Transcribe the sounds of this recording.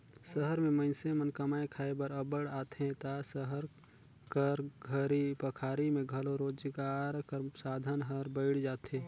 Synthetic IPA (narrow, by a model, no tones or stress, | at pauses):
səɦəɾmẽmənsemənkəmaːẽkʰaːebəɾəbəɽaːt̪ʰɦẽt̪asəɦəɾ | kəɾɡʱəɾipəkʰaːɾimẽɡʱəloɾoːd͡ʒɡaːɾkəɾsaːd̪ʱənɦəɾbəɪɽd͡ʒaːt̪ɦẽː